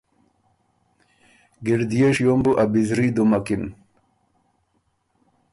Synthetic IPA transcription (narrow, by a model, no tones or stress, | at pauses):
ɡiɾd̪ijeʂjombuʔabizɾid̪umakim